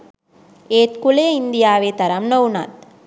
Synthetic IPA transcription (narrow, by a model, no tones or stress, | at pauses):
eːt̪kʊleːɪnd̪ɪjaːʋeːt̪ɐɾɐmnɐwna̰ːt̪̚